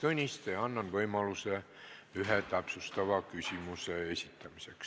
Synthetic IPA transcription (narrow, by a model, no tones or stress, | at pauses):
t̪unʲist̪eɑnːɑnʋɤimɑluseˑ | yɦet̪ɑpsust̪ɑʋɑˑkysʲimuseesʲit̪ːæmiseks